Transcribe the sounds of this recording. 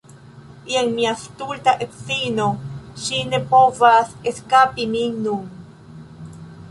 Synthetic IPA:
ieŋmiast̪ultaʔetsinoʃine̞po̞vaseskapiminun

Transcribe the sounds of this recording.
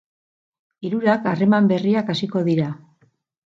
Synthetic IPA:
iɾuɾakare̞mambe̞riakasiko̞ðiɾa

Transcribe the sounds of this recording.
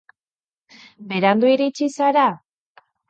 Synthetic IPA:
be̞ɾand̪uiɾit͡ʃisaɾa

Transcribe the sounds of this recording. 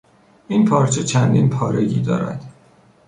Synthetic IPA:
ʔinpʰɒːɾt͡ʃʰet͡ʃʰænd̪inpʰɒːɾeɟḭːd̪ɒ̰ːɾæ̰nd̪̥

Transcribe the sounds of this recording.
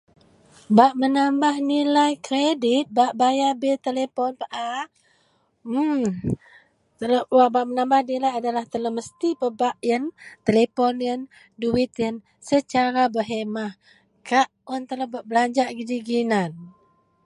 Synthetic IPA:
baʔmənambahnilajkɾedit̪̚baʔbajabet̪əlepɔnpəʔa | t̪ələwabaʔmənambahnilajadalaht̪ələməst̪ipəbaʔjənt̪elepɔnjən | duwit̪jən | sət͡ʃaɾabəɦemah | kaʔɔnt̪ələbaʔbəlaɲd͡ʒaʔɡidiɡinan

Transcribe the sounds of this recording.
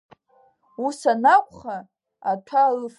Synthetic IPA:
usanakʷʼχa | atʷʰalf

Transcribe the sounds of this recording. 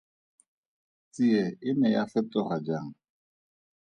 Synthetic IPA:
t͡siɛɪnɛjafɛtɔχad͡ʒaːŋ̩

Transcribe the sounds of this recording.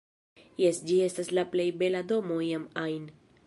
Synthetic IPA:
jesd͡ʒie̞staslaple̞jbe̞lado̞mo̞iamajn

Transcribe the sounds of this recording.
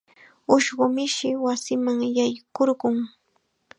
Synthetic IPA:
ʊʃɢʊmɪʃɪwasɪmaŋjajkoɾɢʊŋ

